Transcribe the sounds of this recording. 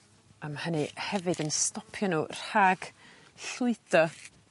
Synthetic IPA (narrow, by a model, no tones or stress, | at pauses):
amhənɨhɛvɨdənstɔpʰjɔnuːr̥haːɡ̥ | ɬʊɨdɔ